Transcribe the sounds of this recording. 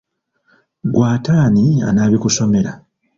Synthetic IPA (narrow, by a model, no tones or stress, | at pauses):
ɡwaːtaːnia̰naːβikuso̞me̞ɾa̰